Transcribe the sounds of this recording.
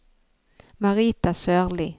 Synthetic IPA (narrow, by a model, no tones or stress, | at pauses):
maɾiːt̪asœːʁlɪ